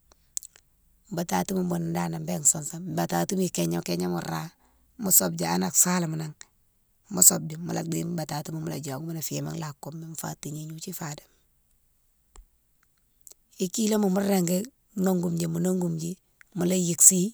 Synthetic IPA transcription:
m˨ba˨ta˨ti˦mu˨mbo˨n˨ndaː˦na˨mbe˦ŋso˨nsa˦m˨ba˨ta˨ti˦mi˨ke˨ɲa˦mke˦ɲa˦mṵ˨ɾa | mu˦so˦b̚d͡ʒa˨a˦na˨ksa˦la˨mu˨na˨ŋ | mu˦so˨b̚d͡ʒu˨mṵ˨la˨ɡ͡bi˦m˦ba˨ta˨ti˦mu˨mu˦la˨d͡ʒo˨ɡu˦ma˦na˨fi˨ma̰˦ŋla˨kːu˦mːe˦m˨fa̰˦ti˨ɲe˦ɲu˦t͡ʃi˦fa˨de̥m | i˨ki˦lo˦mu˨mu˦ɾːe˨ŋɡe˦ | no˦ŋɡu˨md͡ʒi˨mu˨no˦ŋɡu˨md͡ʒi˦ | mu˨la˦ji˨ksi˦

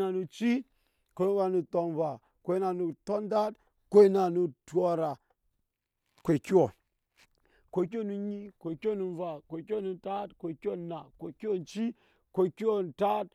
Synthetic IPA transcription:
na˨nu˨t͡ʃi˦ | kʷo˨˦wa˨nu˨to˨nva˨ | kʷe˦na˨nu˨to˦nda˦t | ko˦i˦na˨nu˦tu˦o˦ɾa˨ | kʷe˨ki˦wo˨ | kʷo˨˦k̬o˦nu˦ɲi˦kʷe˨kʲo˦nu˨˦va˨kʷe˨ki˦o˦nu˨ta˦tkʷo˨ki˦o˦˨na˨kʷo˨ki˦o˦n˨t͡ʃi˦ | kʷo˨ki˦o˦n˨ta˦t̚

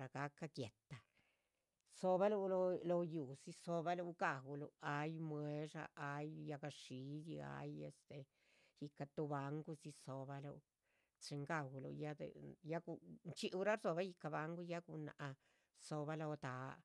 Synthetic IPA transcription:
ɾa˨ɡa˦kːa˧kje˨t̪ːa˨ | so˧βa˦lu˦˧lo˧lo˧ju˨si˧so˧ba˧lu˧ɡa˨wu˧lṵ˧a˧˦jmwe˧˦ʂa̰˧a˨˧jja˧ɡa˧ʂi˧˦d̪i˧a̰˧˦je˧st̪e˧ | ji˧ka˧t̪u˧ba˧ŋɡu˧si˧so˧ba˧lu˧ | t͡ʃe˧ŋɡa˦˨wu˧lṵ˧ja˦d̪ḛ˧ja˦ɡu˧nt͡ʃi˦ʔu˧ɾa˦ɾso˧βa˦ji˧ka˧βa˧ŋɡu˦ja˦ku˧na̰˨ʔa˧ | so˧βa˧lo˧t̪a˨˦

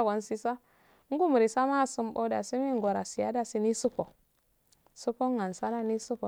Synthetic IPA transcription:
ɡo˨nsi˦sa˦ | ŋ˦ɡu˦mu˨ɾi˨sa˦ma˦˨su˦mbo˦da˨si˦mi˦ŋɡo˨ɾa˨si˨ja̰˦da˨si˦ni˦su˦ko˨ | su˦ko˦ŋa˨nsa˦na˦ni˦su˦ko˨

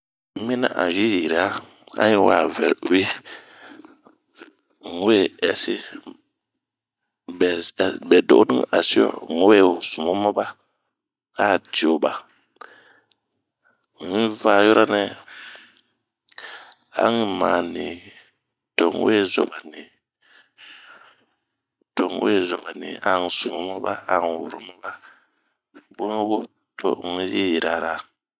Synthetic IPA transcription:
mi˦na̰˦ʔa̰˨ji˦ji˨ɾi˨˦a˦ | a̰˦ɲi˦wa̰ː˨vɛ˨lwi˦ | ŋ˦we˦ɛ˨si˦ | bɛ˨bɛ˨do̰˦˨˦nɨ˦ŋa˨si˦ɔ̰˦ŋo˦we˦˨zu˨mo˦ma˦ba˦ | a˦˨di˨o˨ba˨ | ŋi˦va˦˨jo˦ɾa˦nɛ˦ | a̰˦ŋi˦maː˨ni˨ | d̥o˨ŋ˦we˦zɔ̰˨ba˨ni˨ | d̥o˨ŋ̰˨˦e˦zo˨ba˨ni˨a˦ŋ̩˨su˨mo˦ma˦ba˦a˨ŋ˨wṵ˨ɾo̰˨˦ma˦ba˦ | bo˦ŋ˦wo˦ | to̰˨ŋ̩˦jɛ˦ji˨ɾa˨ɾa˨

